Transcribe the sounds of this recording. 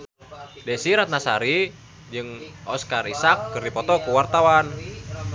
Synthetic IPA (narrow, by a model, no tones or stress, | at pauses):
desiɾat̪̚nasaɾi | d͡ʒɨŋɔskarisakːɨrdipɔt̪ɔkuwart̪awan